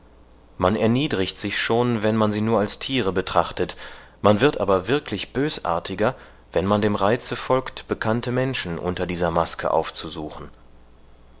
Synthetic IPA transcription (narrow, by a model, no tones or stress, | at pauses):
manɛɐniːdʁɪçtz̥ɪçʃoːnvɛnmanziːnuːɐalstʰiːʁəbətʁ̥aχtət | manvɪɐtʔa̰ːbɐvɪɐkʰlɪçb̥øːsʔa̰ːɐtʰɪɡɐ | vɛnmandeːmʁaɪt͡səfɔlktb̥əkʰantəmɛnʃn̩ʔʊ̰ntɐdiːzɐmaskʰə̰ʔa̰ʊft͡suzuːχn̩